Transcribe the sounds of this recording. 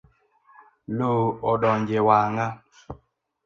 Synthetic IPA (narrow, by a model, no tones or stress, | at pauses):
loɔɗɔɲd͡ʒewaŋa